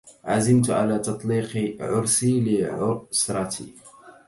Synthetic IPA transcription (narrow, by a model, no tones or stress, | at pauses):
ʕazɪmt̪ʕa̰laːt̪ɑt̪ˤliːqʕʊɾˤsilɪʕʊsɾˤɑt̪ʰḭ